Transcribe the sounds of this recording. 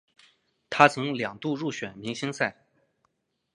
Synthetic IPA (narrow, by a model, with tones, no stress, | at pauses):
t̪ʰa˥t͡sʰɤ˧˥ŋljɑ˨˩ŋt̪u˥˧ɻu˥˩ɕɥɛ˨˩nmi˧˥ŋɕi˥ŋsa˥˩ɪ